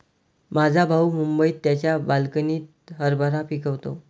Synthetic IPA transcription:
mad͡zʱabʱaumumbəiːt̪ːjat͡ɕjabalkəniːt̪ | ɦəɾbaɾapikəʋt̪o̰

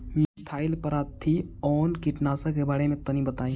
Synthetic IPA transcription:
met̪ʰaːɪlpəɾaːt̪ʰːiɔːnkɪʈnaːsakebaːɽemẽt̪ɐnĩbət̪aːĩ

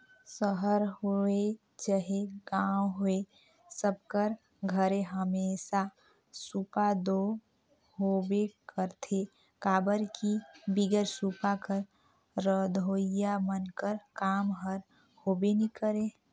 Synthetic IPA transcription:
səɦəɾɦoe | d͡ʒəɦeɡawɦoe | səb̚kəɾ | ɡʱəɾeɦəmesa | supad̪o | ɦobekəɾt̪ʰe | kaːbəɾkibiɡəɾsupakəɾ | ɾəd̪ʱoijamənkəɾkaːmɦəɾ | hobenikəɾe

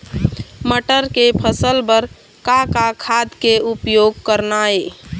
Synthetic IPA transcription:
məʈəɾkepʰəsəlbəɾ | kakakʰad̪keupjoɡ̚kəɾnae

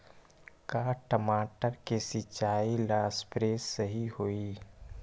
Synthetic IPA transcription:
kaːʈəmaːʈəɾkesɪt͡ʃaːilaːspɾeːsːəɦihoiː

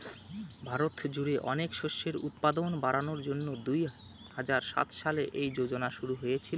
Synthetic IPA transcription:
bʱaɾot̪d͡ʑuɽeʔɔnekʃoʃːeɾṵt̪̚pad̪onbaɾanoɾd͡ʑonːod̪uj | had͡ʑaɾʃa̰t̪ʃaleʔejd͡ʑod͡ʑonaʃuɾuɦojet͡ɕʰil

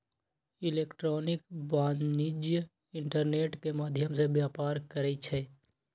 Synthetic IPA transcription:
ɪleːkʈɾɔːnɪkbaːnnɪd͡ʒjə | ɪ̃ɳʈəɾneːʈkemaːd̪ʱjəmsebjaːpaːɾkɐɾɛit͡ʃʰɛː

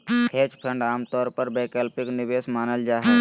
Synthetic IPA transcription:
heːd͡ʒpʰə̃ɳɖaːmt̪ɔːɾpəɾbeːkeːlpɪknɪʋeːsmaːnəld͡ʒaːɦɛ

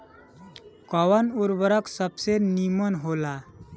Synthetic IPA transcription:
kɔʋanuɾbəɾəksəbsenimənɦola

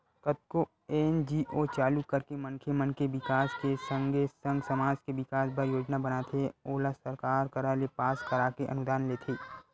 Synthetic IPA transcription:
kət̪̚ko | eːnd͡ʒiʔot͡ʃaːlukːəɾkemənkʰemənkebɪkaːskesə̃ŋɡesə̃ŋɡsɐmaːd͡ʒkeʋɪkaːsbəɾjoːd͡ʒnabɐnaːt̪ʰeoːlasəɾkaːɾkəɾalepaːskɐɾaːkeʔɐ̰nʊd̪aːnleːt̪ʰeː

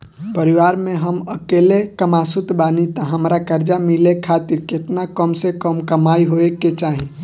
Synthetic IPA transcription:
pəɾiʋaɾmẽɦəməkelekəmasut̪banit̪aɦəmɾakəɾd͡ʒamilekʰːat̪iɾket̪nakəmsekəmkəmaiɦoekːet͡ʃaɦĩ

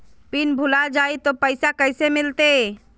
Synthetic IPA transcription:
pinbʱulad͡ʒait̪opəsakəɪsemilt̪e

